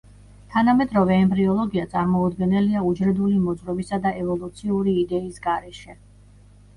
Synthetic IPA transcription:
t̪ʰanamɛd̪ɾɔvɛːmbɾiɔlˠɔɡiat̪sʼaɾmɔud̪ɡɛnɛliaud͡ʒɾɛd̪ulimɔd̪zɾɔbisad̪aɛvɔlˠut̪sʰiuɾiːd̪ɛisɡaɾɛʃɛ

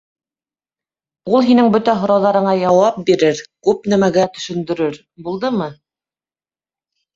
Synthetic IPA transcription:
ulˠɦinɘŋbɵt̪æɦŏɾɑwðɑɾɤ̆ɴɑjɑwɑp̚biɾɘɾkʉpn̪æmæɡæt̪ɵ̆ʃɵ̆nd̪ɵ̆ɾɵɾ | bulˠd̪ɤmɤ

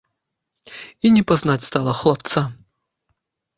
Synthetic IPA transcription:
inʲɪpɐznatʲst̪ɑlˠəxlˠɐpt̪sa

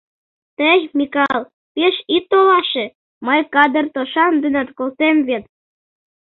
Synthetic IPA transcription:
t̪əjmʲikɑlˠ | peʃit̪ːolɑʃĕ | məjkɑd̪ərt̪oʃɑnd̪ənɑt̪kolt̪emβet̪̚

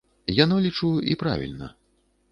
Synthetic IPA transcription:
janɔlʲit͡ʂuḭpɾa̰vʲḭlʲnɐ̰

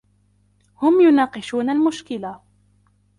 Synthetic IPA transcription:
hʊmjʊnɑːqɨʃuːnalmʊʃkɪla

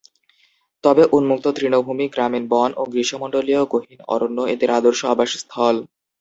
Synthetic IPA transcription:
t̪ɔbeʔunmuk̚t̪ot̪ɾinobʱumiɡɾaminbɔno̰ɡɾiʃomoɳɖolioɡoɦinɔ̰ɾonːoed̪eɾad̪oɾʃoabaʃst̪ʰɔl

